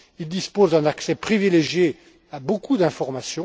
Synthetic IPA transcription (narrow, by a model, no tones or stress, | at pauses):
ild̪ispozd̪ɛ̃naksɛpχivileʒje | abokud̪ɛ̃fɔʁmasjɔ̃